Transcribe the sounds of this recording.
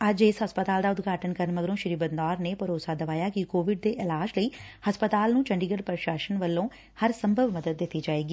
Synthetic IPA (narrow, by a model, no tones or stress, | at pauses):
əd͡ʒesɦəspət̪aːld̪aːʊd̪ɡaːʈənkəɾənməɡəɾõːʃɪɾiːbənd̪aːɾneːpəɾoːsaːd̪əʋaːjaːkɪkoːʋɪɖd̪eːʔɪlaːʃləiːhəspət̪aːlnũːt͡ʃəɳɖiːɡəlpəɾʃaːʃənʋəlːõː | həɾsə̃mbʱəʋməd̪əd̪̚ːɪt̪ːiːd͡ʒaːeːɡiː